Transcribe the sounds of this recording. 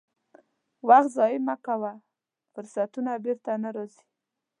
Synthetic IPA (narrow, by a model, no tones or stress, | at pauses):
waxt̪zɑjɪmakawa | fʊɾsat̪unabɪɾt̪anaɾɑzi̥